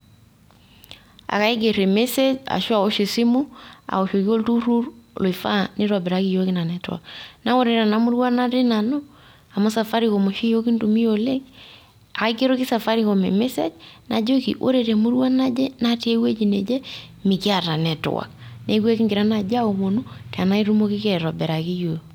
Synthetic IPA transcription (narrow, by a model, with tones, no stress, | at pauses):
a̰˨ka˦i˦ɡe˨ɾe˨me˦se˦d͡ʒa̰˨ʃo˦a˨o˦ʃi˨si˦mʊ˦a̰˨o˨ʃo˨ki˦o˦ltu˦ɾu˦ɾlo˨i˨fa˦nʔɪ˦ɾɔ˨bɪ˨ɾa˦ki˦˨jo˦ki˦na˨nɛ˨tw̰a̰˨kna˦wo˦ɾe˨ɾa˨na˦mu˦ɾwa˦na˦ɾe˦na˨nɔ˦ | a˨mɔ˦sa˨fa˦ɾi˦ko˨mo˨ʃi˦jo˦ki˦ntu˨mi˦o˨le˦k | a˨˦ke˦ɾo˦kɪ˦sa˨fa˦ɾi˦ko˨mḛ˨mɛ˦sɛ̰˦d͡ʒna˨d͡ʒo˦kḭ˨ʔo̰˦ɾe˨ɾe˨mu˦ɾwa˦na˦d͡ʒɛ˦na˦ti˦e˦we˦d͡ʒi˨nɛ˨d͡ʒɛ˦mɪ˨kɪ˦a˨ɾa˨nɛ˨tʊ̰˨wa̰˨knɛ˦ɡwɛ˦ki˦ŋɡɪ˨ɾa˦na˨d͡ʒa˦o˨ŋo˨nu˦ta˨na˦i˦ɾu˦mo˦ki˦kɛ˨ɾɔ˨bɛ˨ɾa˨ki˦jo˨j